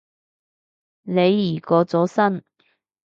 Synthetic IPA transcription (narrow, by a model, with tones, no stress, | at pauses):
le˨˧jːiː˨˩kɔː˨˧t͡sɔː˨˥sɐ˥n